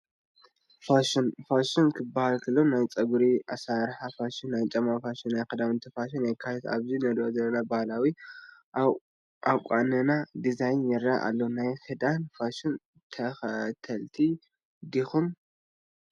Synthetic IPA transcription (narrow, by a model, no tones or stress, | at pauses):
faʃɨnfaʃɪnkʰɨbːahalkʰɐlːonajt͡sʼɐɡuɾiasaɾħafaʃɪnːajt͡ʃʼɐmːafaʃinːajkʰɐd̪amɨnt̪ʰifaʃ̬inɛkʰːat̪ʰet̪a̰βzinɐd̪ozɐlːɐnabahalawi | ʔawkʷʼanɨnad̪izajnjɛɾaʔa̰lːonajħɨd̪anfaʃɨn | t̪ʰɐxɐt̪ʰɐlt̪ʰi | d̪ixum